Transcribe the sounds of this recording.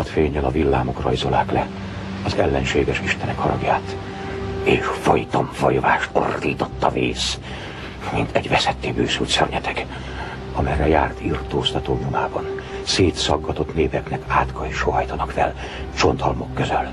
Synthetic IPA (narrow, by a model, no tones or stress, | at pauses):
ɒt̪feːɲːɛlɒvilːaːmo̞krɒjzolaːklɛ | ɒzɛlːɛnʃeːɡɛʃiʃt̪ɛnɛkhɒɾɒɡjaːt̪ | eːʃfɒjt̪ɒmfɒjvaːʃt̪o̞̰rd̪iːt̪o̞t̪ːɒvḭːs | mint̪ʰɛɟvɛsɛt̪ːeːbøːsylt̪sɛrɲɛt̪ʰɛk | ɒmɛrːɛja̰ːrt̪irt̪oːst̪ɒt̪oːmunaːbɒn | seːt̪sɒɡːɒt̪o̞t̪neːpɛknɛkaːt̪kʰɒjʃoɦɒjt̪ɒnɒkfɛ̰l | t͡ʃo̞nt̪hɒlmo̞kːøzøl